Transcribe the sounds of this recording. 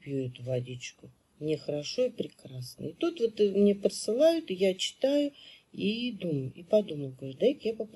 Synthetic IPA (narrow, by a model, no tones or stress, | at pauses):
pʲjuʊt̪vɐdʲit͡ɕkʊ | mnʲɪxəɾɐʂo̞ipɾʲɪkɾasnə̰ɪt̪ut̪vot̪mnʲepɾəsɨlˠajʊt̪ɨjat͡ɕɪ̥t̪ajʊid̪umjʊipɐd̪uməjʊɡɾʊt̪̚d̪aikjapɐp